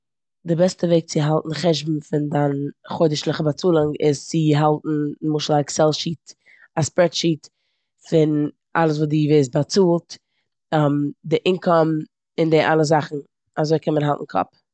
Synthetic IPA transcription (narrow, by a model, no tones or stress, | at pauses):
dɪbɛstəveɪk̚t͡sɪɦalˠtn̩χɛʒbm̩fɪndanχoɪdəʃlˠɪχəbat͡suːlˠɪŋɪzt͡sɪɦalˠtn̩mʊʃlˠaɪksɛlˠʃiːt | aspɾɛtʃiːt | fɪn | ʔa̰lˠəs̬vuːdiːveɪs̬bat͡suːlˠt | amdɪʔɪnkʰɔm | ɪndɪʔalˠəzaχn̩ | azoɪkʰɛnmənɦalˠtn̩kʰɔ̰p̚